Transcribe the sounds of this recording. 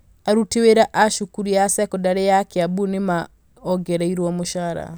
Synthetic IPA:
aɾuteweɾaʔaʃukuɾiasɛkɔdaɾɛjakeabunema | ɔɡɛɾaiɾwɔmoʃaɾa̰

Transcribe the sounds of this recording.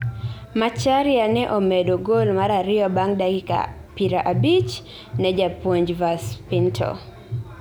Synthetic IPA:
mat͡ʃaɾɪanɛʔɔmɛdoɡolmaɾaɾɪɔbaŋdaɡika̰ | piɾaʔabit͡ʃ | nɛd͡ʒapwoɲd͡ʒvaspɪntʰɔ̰

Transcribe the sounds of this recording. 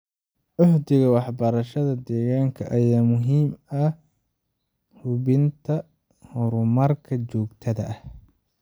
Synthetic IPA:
ʔʊħd̪ɪɣɐwɑħbɐɾɐʃɐðɐd̪ɛːɣaːŋkʰɐʔɐjaːmʊɦiːmɐ | hʊβɪnt̪ʰɐ | hɔɾʊmɐrkʰɐt͡ʃɔːɡt̪ʰɐðɐ̰ʔɐh

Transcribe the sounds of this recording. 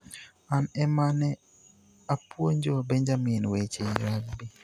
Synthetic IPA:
anɛmanɛ | apwoɲd͡ʒoabɛɲd͡ʒamɪnwet͡ʃeɾakbi

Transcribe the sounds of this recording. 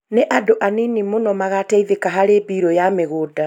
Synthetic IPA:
neʔadoʔaninimonɔmaɣatɛiðekaɦaɾeːbiːɾɔjameɣoːda

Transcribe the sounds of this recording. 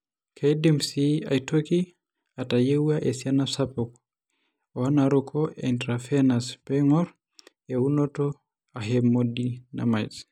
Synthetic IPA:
kʰɛjdɛmsia̰itʰɔki | atajɛuaʔɛsianasapɔk | ɔanaɾɔkʰɔʔɛntɾafɛnaspɛŋɔɾ | ɛunɔtɔ | aɦɛmɔdina̰mais

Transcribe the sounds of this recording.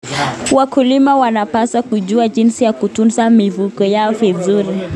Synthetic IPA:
wakulimawanapasakuʄuaʄinsijakutunzamivukɔjaɔvizuɾi

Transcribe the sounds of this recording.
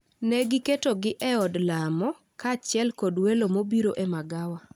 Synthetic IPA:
nɛɡɪketoɡɪʔɛɔdlamɔ | kat͡ʃɪɛlkɔdwelomobiɾoʔemaɡawa

